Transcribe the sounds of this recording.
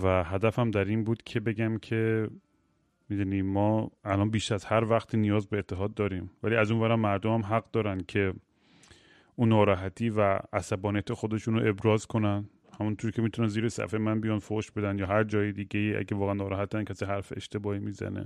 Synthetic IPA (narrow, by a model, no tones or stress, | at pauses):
væɦæd̪æfæmd̪æɾinbuːd̪̥cʰe̞be̞ɟæmcʰe̞ | miːd̪uniːmɒːælɒnbiːʃæz̥hæɾvæxt̪ʰiːnijɒːzbe̞ːt̪ʰːe̞ɦɒːd̪ːɒːɾiːmvæliːæzuːnvæɾæmːæɾd̪omæmɦæɣd̪ɒːɾænd̪cʰe̞ | ʔuːnːɒːɾɒːɦæt̪ʰiːvææsæbɒːnijæt̪ʰexod̪e̞ʃunoʔe̞bɾɒːzkʰo̞næn | hæmunt̪ʰuːɾicʰe̞miːt̪ʰunænziːɾesæ̰femænbijɒnfoʃbe̞d̪ænd̪jɒːɦæɾd͡ʒɒːjed̪iːɟeiːʔæ̰ɟævɒːɣeænːɒːɾɒːɦæt̪̚dænkʰæsiɦæɾfeḛʃt̪e̞bɒːhiːmiːzæ̰nḛ